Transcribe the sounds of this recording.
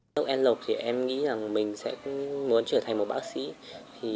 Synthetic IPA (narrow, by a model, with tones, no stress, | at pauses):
ə˦˥k̚ʔɛ˧nlo˨˩p̚t̪ʰi˨˩ʔɛ˧mŋḭ˧˥za˨˩ŋmï˨˩ŋ̟sɛ̰˧˥mu˨˦ənt͡ɕəː˧˩t̪ʰa˨˩ŋ̟mo˨˩t̚ɓaː˦˥k̚sḭ˧˥t̪ʰi˨˩